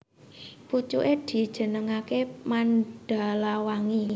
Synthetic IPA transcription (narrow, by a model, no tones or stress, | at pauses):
put͡ʃṵʔed̪̥i̤d̥ʒ̥ə̤nəŋakemanɖ̥a̤lawaŋi